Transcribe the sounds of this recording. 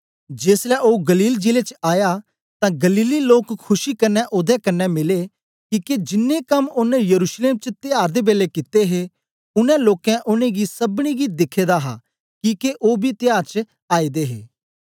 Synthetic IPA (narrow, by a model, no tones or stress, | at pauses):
d͡ʒeːslɛʔoːɡɐliːld͡ʒɪlet͡ʃaːja | t̪ãɡɐliːliloːkʰːʊʃikɐnːɛʔʊd̪ɛkɐnːɛmɪle | kiːked͡ʒɪnːekɐmʊnɛ̃jɐɾuːʃleːmt͡ʃət̪ɪjaːɾd̪ebeːlekɪt̪eɦe | ʊnɛ̃loːkɛ̃ʔʊnẽɡisɐbɽ̃iɡid̪ɪkʰːeːd̪aɦa̰ | kiːkeʔoːbʱit̪ɪjaːɾt͡ʃə | aːid̪eɦḛː